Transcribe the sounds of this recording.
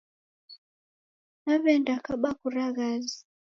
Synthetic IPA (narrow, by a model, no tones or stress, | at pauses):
naβɛndakaɓakuɾaɣazi